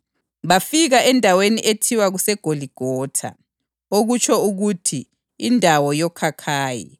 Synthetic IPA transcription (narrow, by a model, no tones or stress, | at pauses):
βafiɣaʔɛndʱaweniʔetʰiwaɣusɛɡ̥ʱoliɡ̥ʱɔːtʰa̰ | oɣut͡ʃʰʼɔuɣutʰiː | ndʱawɔjɔkʰakʰaːjḭ